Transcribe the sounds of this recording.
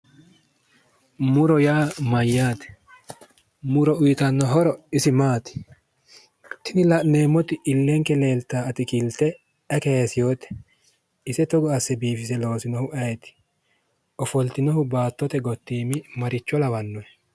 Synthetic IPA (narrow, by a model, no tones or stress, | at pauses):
mʊɾɔjaːmɐjːaːt̪ɛ̥ | mʊɾɔʊjɪt̪ɐnːɔɦɔɾɔɪsɪmaːt̪ɪ̥ | t̪ʰɪnɪlɐʔneːmːɔt̪ɪɪlːɛŋkɛle̞ːlt̪aːɐt̪ɪkɪlt̪ɛ | ɐkesɪjoːt̪ɛ̥ | ɪsɛt̪ɔɡɔɐsːɛbiːfɪsɛlo̞ːsɪnɔhʊʔɐjɛt̪ɪ̥ | ʔɔfɔlt̪ɪnɔhʊbaːt̪ːɔt̪ɛɡɔt̪ːiːmɪmɐɾɪt͡ʃːɔlɐwɐnːɔɛ